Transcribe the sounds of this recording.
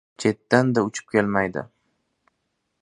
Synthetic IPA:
t͡ʃʰe̞t̪ːand̪aʊt͡ʃʰɪ̥p̚kʲelmajd̪ɪ̰

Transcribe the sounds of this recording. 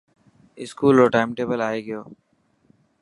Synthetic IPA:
ɪskuːloːʈaːɪmʈeːbəlaːeːɡɪjoː

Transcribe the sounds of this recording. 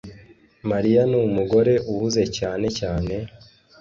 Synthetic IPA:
maɾijanumuɡo̞ɾe̞ʔuhuze̞caːne̞caːne̞

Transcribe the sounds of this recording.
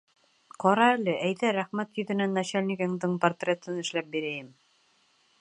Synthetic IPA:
qɒɾɑælɘʔæjðæɾæχmæt̪jɵ̆ðɘ̆nænːæɕælʲnʲiɡɘŋd̪ɘɴport̪rʲet̪ɤnɘ̆ʃlæp̚biɾæjɘm

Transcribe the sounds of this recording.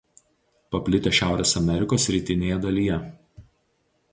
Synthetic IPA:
pɐpʲlʲɪt̪ʲeːˑʃʲæˑʊɾʲeːsɐmʲɛɾʲɪkoːsʲːɾʲiˑt̪ʲɪnʲeːjɛd̪ɐlʲiːjɛ

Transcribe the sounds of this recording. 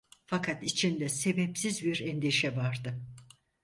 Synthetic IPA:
fakʰat̪it͡ʃʰind̪ɛse̞bɛpsizbiɾɛnd̪iʃɛvaɾd̪ɯ

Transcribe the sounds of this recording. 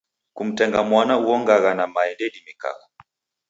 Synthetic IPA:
kum̩tɛŋɡamwanauɔŋɡaɣanamaɛndɛɗimika̰kɔ̥

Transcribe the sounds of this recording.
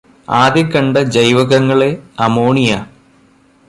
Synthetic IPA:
aːðjɐkːɐɳɖɐd͡ʑɐjʋɐɣɐŋːɐɭeɐmoːɳija

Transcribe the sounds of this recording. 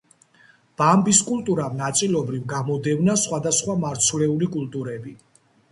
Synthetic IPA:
b̥ambiskʼulˠt̪ʼuɾamnat̪sʼilˠɔbɾivɡamɔd̪ɛvnasχwad̪asχwamaɾt̪sʰvlɛulikʼulˠt̪ʼuɾɛbi

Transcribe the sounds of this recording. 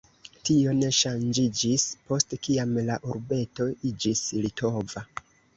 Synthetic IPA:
tio̞ne̞ʃand͡ʒid͡ʒispo̞stekiamlaʔuɾbe̞to̞id͡ʒislitʰo̞va

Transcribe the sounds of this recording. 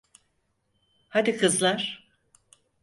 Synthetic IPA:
had̪ikʰɯzlˠaɾ̥

